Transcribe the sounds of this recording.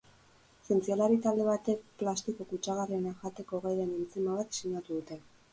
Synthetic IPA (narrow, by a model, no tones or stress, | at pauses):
se̞nt͡sialaɾit̪ald̪e̞β̞at̪e̞k̚plast̪ikokut͡ʃaɣarienaʝat̪e̞ko̞ɣejɾenent͡simaβat̪siɲat̪uðut̪e̞